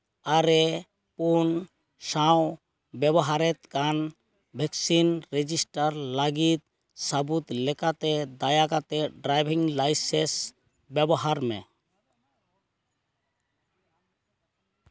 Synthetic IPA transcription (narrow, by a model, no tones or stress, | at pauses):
aɾɛ | pun | saw | bɛbɔɦaɾɛt̪kan | bʱɛksinɾed͡ʒisʈaɾlaɡit̪̚ | sabut̪lɛkat̪ɛd̪ajakat̪ɛɖɾajbʱiŋlajses | bɛbɔɦaɾmɛ̰